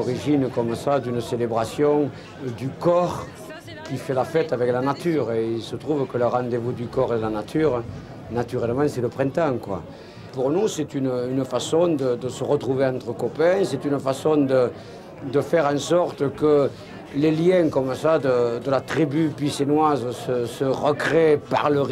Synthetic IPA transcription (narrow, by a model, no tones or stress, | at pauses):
ɔʁiʒinəkɔməsad̪ynəselebʁasjɔ̃ŋ | d̪ykɔʁ | kʲifɛlafɛt̪avɛklanat̪yʁeilsət̪χuvəkələʁɑ̃nd̪evud̪ykɔʁed̪əlanat̪ʰyʁ | nat̪yʁɛləmɑ̃sɛləpχɛ̃nt̪ɑ̃ŋkwa̰ | puʁnusɛt̪ynynəfasɔ̃d̪əd̪əsəʁət̪χuveɑ̃nt̪χəkɔpɛ̃sɛt̪ynəfasɔ̃d̪ə | d̪əfɛʁɑ̃sɔʁt̪əkə | leljɛ̃kɔməsad̪əd̪əlat̪χibypisenwazəsəsəʁəkχepa̰ʁləʁ